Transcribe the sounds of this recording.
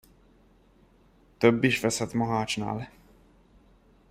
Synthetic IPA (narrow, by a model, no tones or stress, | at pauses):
t̪øbːiʃvɛsɛt̪mɒɦaːt͡ʃna̰ːl